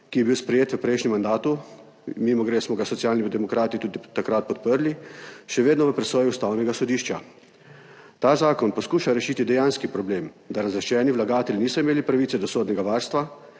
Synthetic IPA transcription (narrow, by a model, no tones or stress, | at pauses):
kijɛbiwspɾɛjeːt̪ʋəpɾɛjʃnʲɛmːand̪aːt̪u | mimɔɡɾeːsmɔɡasɔt̪sijaːlnid̪ɛmɔkɾaːt̪it̪uːd̪it̪akɾat̪̚pɔt̪̚pəɾliʃɛʋeːd̪nɔʋəpɾɛsɔːjuust̪aːwnɛɡasɔd̪iːʃt͡ʃa | t̪aːzaːkɔnpɔskuːʃaɾɛʃiːt̪id̪ɛjaːnskipɾɔbleːm | d̪aɾazɾɛʃt͡ʃɛːniʋlaɡaːt̪ɛlʲniːsɔimeːlipɾaʋiːt̪ɛd̪ɔsoːd̪nɛɡaʋaːɾst̪ʋa